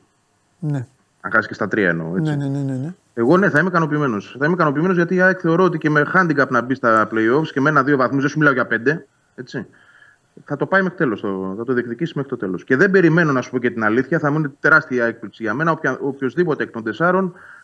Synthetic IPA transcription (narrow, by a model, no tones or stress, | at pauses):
ne | ɐ̰ŋxɐsiskce̞st̪ɐt̪ɾiɐ̰ḛno̞̰et͡sinn | e̞ɣo̞ne̞θɐimekɐno̞p̬iːme̞no̞sθɐimekɐno̞p̬iːme̞no̞zʝɐt̪iɐekθe̞o̞ɾoot̪ice̞me̞xɐnd̪iŋɡɐpnɐbist̪ɐple̞io̞fsceme̞nɐðio̞vɐθmuzðesumilɐoʝɐpe̞nd̪e̞ | e̞t͡si | θɐt̪o̞pɐijme̞xi̥t̪e̞lo̞st̪oθɐt̪oðiekðicisimexɾit̪o̞t̪e̞lo̞sce̞ðe̞mbe̞ɾime̞no̞nɐsu̥pocet̪inɐliθçɐθɐmuinet̪e̞ɾɐst̪iɐiɐek̚pliksiʝɐme̞nɐopçɐopço̞zðipo̞t̪ekt̪o̞nd̪e̞sɐɾo̞n